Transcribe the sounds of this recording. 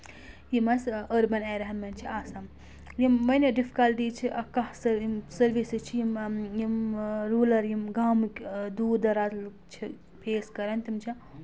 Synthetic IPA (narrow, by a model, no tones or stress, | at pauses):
jimɐsəɾbɐnaːjɾɐɦɐnmɐnʲt͡ʃʰiaːsɐm | jimːɐnʲɐɖifʰi̥kɐld̪iːt͡ʃʰiʔɐkɐhsɐsɐɾʋisɨt͡ʃʰijimjimɾuːlɐɾjimɡaːmkʲd̪uːɾd̪ɐɾaːz | t͡ʃʰi | pʰeːskɐɾɐnt̪imt͡ʃʰi